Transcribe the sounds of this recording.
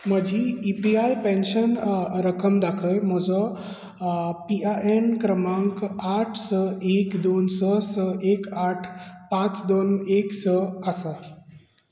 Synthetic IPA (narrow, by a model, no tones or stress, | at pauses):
m̤əd͡ʑʱiipiajpẽnɕənɾəkəmd̪akʰəjm̤ɔd͡zɔ | piaʔenkɾəmãŋkaʈʰsəekd̪onsɔsəekaʈʰpãt͡sd̪oneksɔasa